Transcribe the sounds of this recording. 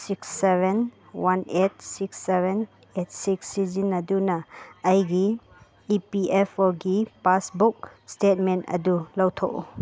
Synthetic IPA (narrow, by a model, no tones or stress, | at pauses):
siksːeben | wanet̚sikseben | et̚siksizinɐdunaːjɡiː | piepɔɡipasbuk̚stet̚mentɐ̰dulawtʰɔ̰